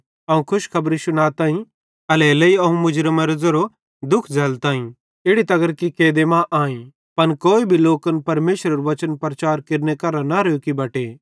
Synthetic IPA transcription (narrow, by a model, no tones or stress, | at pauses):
ɐũkʰʊʃkʰɐbɾisʊnaːt̪ãːĩ | ɐlɛːlɐiɐũmʊd͡ʒɾəmɐɾzɐɾo | d̪ʊkʰd͡zʱɐlt̪ãːĩ | ɪɽit̪ɐɡəɾkikeːd̪emãʔaːĩ | pɐnkoːibʱiloːkənpɐɾmeːʃɾəɾoʋɐt͡ʃənpɾɐt͡ʃaːɾkɪɾnekɐɾanɐɾekibɐːʈeː